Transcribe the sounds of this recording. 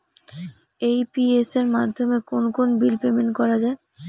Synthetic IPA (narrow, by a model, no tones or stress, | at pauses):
ejpieseɾmad̪ʱːomekonkonbilpemeɳʈkɔɾad͡ʑae